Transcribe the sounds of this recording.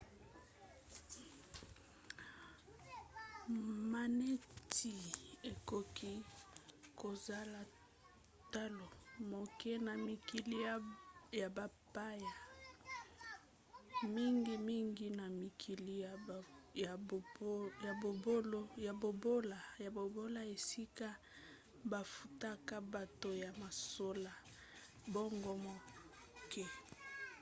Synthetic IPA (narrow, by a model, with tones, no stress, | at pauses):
ma˨ne˦tʰi˨e˨ko˨ki˦ | ko˨za˦la˨ | ta˦lo˨mo˨ke˦na˨mi˨ki˨li˦ja˨ba˨pa˦ja˨ | mi˦ŋɡi˦mi˦ŋɡi˦na˨mi˨kʰi˨li˦˨˦ | ja˨bo˨bo˦lo˦ja˨bo˨bo˦la˨ja˨bo˨bo˦la˦e˨si˦ka˦ | ba˨fu˨ta˦ka˦ba˨to˨ja˨ma˨so˦la˨ | bo˦ŋɡo˦mo˨ | kʰɛ˦